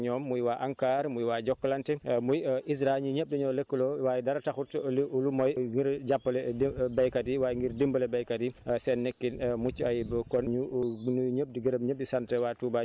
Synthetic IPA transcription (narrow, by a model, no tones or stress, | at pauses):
ɲɔːmːujwaʔaŋkaːɾmujwad͡ʒɔkːlantɛmujʔis̬ɾaɲuɲəp̚diɲɔːlekːəlɔwaːjdaɾataxutliulumɔjɡiɾd͡ʒapːəlɛdbɛjkadiwajŋɡiɾdimbəlɛbɛjkadisɛnːekːinmut͡ʃːajbəkɔnɲunuɲəp̚diɡiɾəmɲəp̚disantɛwatuba